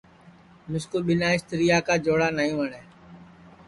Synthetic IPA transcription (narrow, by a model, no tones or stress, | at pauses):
mʊskoɓɪnaːɪst̪əɾijaːkaːd͡ʒoːɽaːnaːĩːʋəɳeː